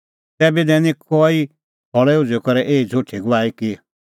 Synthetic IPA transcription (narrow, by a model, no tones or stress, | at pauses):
t̪ɛːbid̪ɛːnĩkɔi | ɔɭɛʊd͡zekɔɾɛʔeːid͡zʱʊʈʰiɡʊʋaːiki